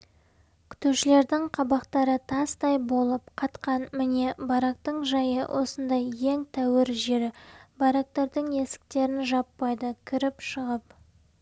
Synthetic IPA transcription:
kʲʰʏ̥t̪ewʃɪle̞ɾd̪ɪŋqʰɑbɑqt̪ɑɾət̪ʰɑst̪ɑjbo̞lˠəpqʰɑt̪qɑnmɪne̞bɑɾɑq̚t̪əɴʒɑjə̰wʔo̞̰sənd̪ɑje̞ŋt̪ʰæwɪɾʒe̞ɾɪbɑɾɑk̚t̪eɾd̪əɴe̞sɪ̥k̚t̪e̞ɾɪnʒɑpːɑjd̪əkʲʰʏɾɪpʃəʁəp

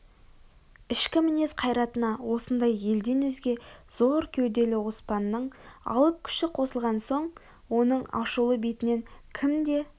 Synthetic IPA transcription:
ɪʃkʲɪmɪne̞sqʰɑjɾɑt̪ənɑwo̞sənd̪ɑje̞ld̪e̞nwɵzɡʲe̞z̥o̞ɾkʲʰewd̪e̞lɪwo̞spɑnːəɴɑ̰lˠəp̚kʲʰʏ̥ʃɪqʰo̞səlˠʁɑnso̞ɴ | wo̞nəɴɑ̰ʃulˠəbejt̪ɪne̞ŋkʲʰɪmd̪e̞

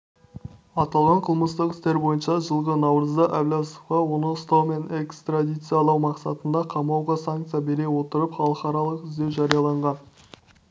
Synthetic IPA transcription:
ɑt̪ɑlˠʁɑɴqʰəlˠməst̪əqɪst̪e̞ɾbo̞jənʃɑʒəlˠʁənɑwɾəzd̪əʔævlʲasofɑwo̞nəst̪ɑwme̞nekst̪rad̪ijt̪sɨjɑlˠɑwmɑqsɑt̪ənd̪ɑqʰɑmɑwʁɑsaŋk̚t̪sɨjabe̞ɾe̞wo̞t̪əɾəpχɑlˠəqɑɾɑlˠəqɪzd̪e̞wʒɑɾijɑlˠɑɴʁɑn

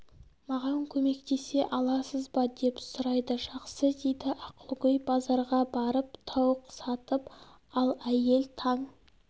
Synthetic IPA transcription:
mɑʁɑŋkʲʰɵme̞kt̪e̞se̞ʔɑlˠɑsəzbɑd̪e̞psʊɾɑjd̪əʒɑqsəd̪e̞jd̪ɪʔɑqʰəlˠʁʏjbɑzɑɾʁɑbɑɾəp̚t̪ʰɑwəqsɑt̪əp | ɑlˠæje̞lt̪ʰɑɴ

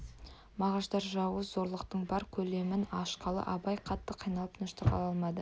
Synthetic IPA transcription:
mɑʁɑʒd̪ɑɾʒɑwəzo̞ɾlˠəqt̪əɴbɑɾkʲʰɵle̞mɪnɑʃqɑlˠə̰ʔɑbɑjqʰɑt̪ːəqʰijnɑlˠəpnʊʃt̪əqʰɑ̰lˠɑlˠmɑd̪ə

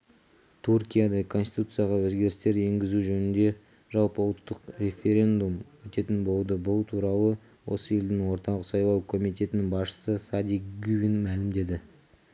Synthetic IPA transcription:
t̪ʰuɾkʲijad̪ɑkʰo̞nsʲi̥t̪ut̪sɨjaʁɑwɵzɡʲe̞ɾɪst̪e̞ɾe̞ŋɡʲɪzuʒɵnɪnd̪e̞ | ʒɑlˠpəʊlˠt̪ːəqɾʲe̞fʲe̞ɾʲe̞nd̪umwɵt̪e̞t̪ɪnbo̞lˠd̪əbʊlˠt̪ʰuɾɑlˠə | wo̞̰səje̞ld̪ɪŋwo̞ɾt̪ɑʁəsɑjlˠɑwkʰo̞mijt̪̬e̞t̪ɪnɪŋbɑsʃə̥səsad̪ʲikɡuvʲinmælɪmd̪e̞d̪ɪ

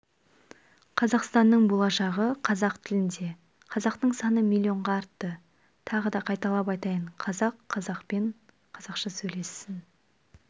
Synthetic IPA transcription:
qʰɑzɑqst̪ɑnːəɴbo̞lˠɑʃɑʁəqʰɑzɑqt̪ʰɪlɪnd̪e̞ | qʰɑzɑqt̪əɴsɑnəmilʲˠːio̞ɴʁɑːɾt̪ːə | t̪ʰɑʁəd̪ɑqʰɑjt̪ɑlˠɑp̬ɑjt̪ɑjəɴqʰɑzɑqʰːɑzɑqpeɴ | qʰɑzɑqʃəsɵjle̞sɪn

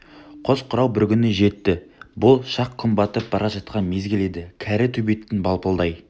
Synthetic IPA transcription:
qʰo̞zqʰʊɾɑwbɪɾkʲʏnɪʒe̞t̪ːɪbʊlˠʃɑqʰːʊmbɑt̪əp̚bɑɾʔɑʒɑt̪qɑnme̞zɡʲɪle̞d̪ɪkʲʰæɾɪt̪ʰɵbe̞t̪ːɪnbɑlˠpəlˠd̪ɑj

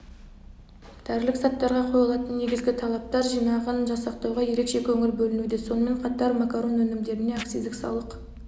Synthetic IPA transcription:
d̪̥æɾlɪksɑt̪ːɑɾʁɑqʰojlˠɑt̪ənːe̞ɡʲɪzɡʲɪt̪ʰɑlˠɑp̚t̪ɑɾʒijnɑʁənʒɑsɑqt̪ɑwʁɑje̞ɾe̞kʃe̞kʲʰɵŋɪɾbɵlɪnud̪e̞so̞nəme̞ɴqʰɑt̪ɑɾmakaɾo̞nwɵnɪmd̪e̞ɾɪne̞akt̪sizd̪ɪksɑ̰lˠəq

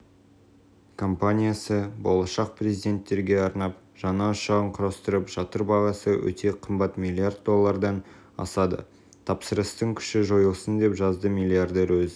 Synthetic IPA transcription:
kʰo̞mpanʲijasəbolˠɑʃɑq̚prezid̪e̞nt̪ːe̞ɾɡʲe̞ɑɾnɑp | ʒ̥ɑnɑʃɑʁəɴqʰʊɾɑst̪əɾəpʒ̥ɑt̪əɾbɑʁɑsəwɵ̰t̪ʰe̞qʰəmbɑt̪mʲilʲˠiard̪̚d̪o̞lˠːɑɾd̪ɑn | ɑ̰sɑd̪ə̰ | t̪ʰɑpsəɾəst̪əɴkʲʰʏ̥ʃɪʒo̞jəlˠsənd̪e̞pʒɑzd̪əmʲilʲˠiard̪eɾwɵzɪ

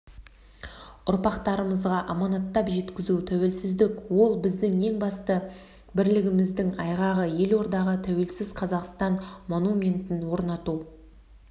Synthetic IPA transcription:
ʊɾpɑqt̪ɑɾəməzʁɑʔɑmɑnɑt̪ːɑpʒe̞t̪kʲɪzut̪ʰæwe̞lsɪzd̪ɪkwo̞lˠbɪzd̪ɪŋe̞ŋbɑst̪ə | bɪɾlɪɡʲɪmɪzd̪ɪŋɑjʁɑʁəje̞lwo̞ɾd̪ɑʁət̪ʰæwe̞lsɪzqʰɑzɑqst̪ɑnmo̞numʲe̞nt̪ɪnwo̞ɾnɑt̪u

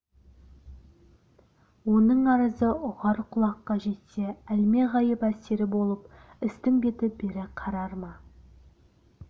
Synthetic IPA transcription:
wo̞nəɴɑɾəzəʔʊʁɑɾqʰʊlˠɑqːɑʒe̞t̪se̞ælme̞ʁɑjəpæse̞ɾɪbo̞lˠəp | ɪst̪ɪŋbe̞t̪ɪbe̞ɾɪqʰɑɾɑɾmɑ

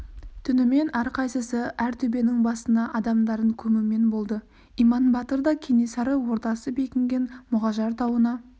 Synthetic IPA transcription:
t̪ʰʏnɪme̞næɾqʰɑjsəsəʔæɾt̪ʰɵbe̞nɪŋbɑsənɑʔɑd̪ɑmd̪ɑɾəŋkʲʰɵmɪme̞nbo̞lˠd̪ə | ijmɑnbɑt̪əɾd̪ɑkʲʰe̞ne̞sɑɾəwo̞ɾt̪ɑsəbe̞kʲɪŋɡʲe̞nmʊʁɑʒɑɾt̪ʰɑwənɑ

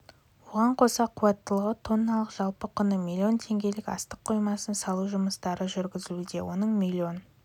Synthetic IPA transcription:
wo̞ʁɑɴqʰo̞sɑqʰuwɑt̪ːəlˠəʁət̪ʰo̞nːɑlˠəqʒ̥ɑlˠpəqʰʊnəmʲilʲːio̞nt̪ʰe̞ŋɡʲe̞lɪkʲɑ̰st̪əqʰːo̞jmɑsənsɑlˠuʒʊməst̪ɑɾəʒʏɾɡʲɪzɪlud̪e̞wo̞nəɴmʲilʲːio̞n

